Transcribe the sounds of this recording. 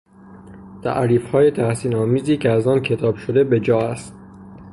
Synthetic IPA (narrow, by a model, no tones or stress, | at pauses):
t̪ʰæ̰ʔɾiːfhɒːjet̪ʰæhsiːnɒːmiːziːcʰeæzɒːncʰe̞t̪ʰɒːbʃod̪e̞be̞d͡ʒɒːæst̪